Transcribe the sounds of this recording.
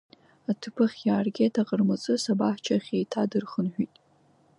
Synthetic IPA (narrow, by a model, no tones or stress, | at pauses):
atʰɨpʰɨχʲjaːrɡʲetʰaqʼərmɨt͡sʼɨsabaħt͡ʃʰaχʲejtʰadɨrχənħʷᶣitʼ